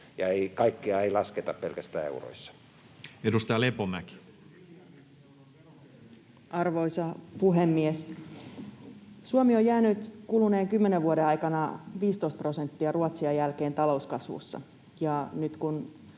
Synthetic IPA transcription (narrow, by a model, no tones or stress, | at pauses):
jɑeikɑikːiɑeilɑsket̪ɑppelkæst̪æːḛuro̰isːɑ̥ | edust̪ɑjɑlepomæki̥ | ʔɑrʋoisɑpuɦemːies | suomiojæːnyt̪kuluneːŋkymːeneʋʋuoɾeɑjkɑnɑʋiːst̪oist̪pro̞se̞nt̪ːiɑruɑt̪siɑjælkeːnt̪ɑlo̞uskɑsʋṵsːɑ̰ | jɑnyt̪kun